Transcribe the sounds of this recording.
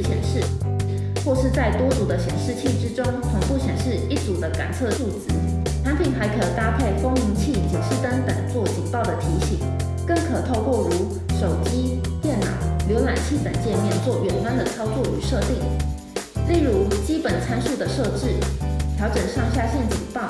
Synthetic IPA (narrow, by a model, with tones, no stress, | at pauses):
ɕjɛ̰˨˩nʂɻ̩˥˩ | xwɔ˥˧ʂɻ̩˥˧t͡sa˥˩ɪt̪wɔ˥t͡su˨˩d̪ə˦ɕjɛ˨˩nʂɻ̩˥˧t͡ɕʰi˥˩ʈ͡ʂɻ̩˥ʈ͡ʂʊ˥ŋt̪ʰʊ˨˩ŋpu˥˩ɕjɛ˨˩nʂɻ̩˥˧i˥˩t͡su˨˩d̪ə˦ka̰˨˩nt͡sʰɤ˥˧ʂu˥˩t͡sɹ̩˧˥ | t̪ʰa˧˥npʰi˨˩˦ŋxa˧˥ɪkʰɤ˨˩t̪a˥pʰe˥˩ɪfo˥ŋi˧˥ŋt͡ɕʰi˥˩t͡ɕɛ̰˨˩nʂɻ̩˥˩t̪ə˥ŋt̪ə̰˨˩nt͡swɔ˥˩t͡ɕi˨˩ŋpɑ˥˩ʊd̪ə˩t̪ʰi˧˥ɕi˨˩˦ŋ | kə˥˩ŋkʰɤ˨˩t̪ʰo˥˧ʊkwɔ˥˩ɻu˧˥ | ʂo˨˩ʊt͡ɕi˥t̪jɛ˥˩nnɑ̰˨˩˦ʊljo˧˥ʊna˨˩nt͡ɕʰi˥˩pə˨˩nt͡ɕjɛ˥˧nmjɛ˥˧nt͡swɔ˥˩ɥɛ˨˩nfa˥nd̪ə˨t͡sʰɑ˥ʊt͡swɔ˥˩y˧˥ʂɤ˥˧t̪i˥˩ŋ | li˥˩ɻu˧˥t͡ɕi˥pə˨˩nt͡sʰa˥nʂu˥˩d̪ə˩ʂɤ˥˧ʈ͡ʂɻ̩˥˩t̪ʰjɑ˧˥ʊʈ͡ʂə˨˩nʂɑ˥˧ŋɕja˥˧ɕjɛ˥˩nt͡ɕḭ˨˩ŋpɑ˥˩ʊ